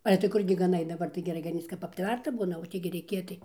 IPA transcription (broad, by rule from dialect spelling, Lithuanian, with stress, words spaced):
ˈɑːlʲɛ tɐɪ ˈkʊrʲɡʲɪ ɡɐˈnɐɪ dɐˈbɐr tɐɪ ɡʲɛˈrɐɪ ɡɐˈnʲiːt͡s kɐp ɐpʲˈtʲʋʲɛrtɐ ˈbuːnɐ oː ˈtʲiː ɡʲɪ rʲɛɪˈkʲeː tɐɪ